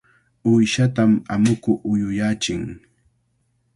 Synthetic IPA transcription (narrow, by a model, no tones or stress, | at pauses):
ʊjʃat̪ama̰mʊkʊʔʊjʊjat͡ʃɪŋ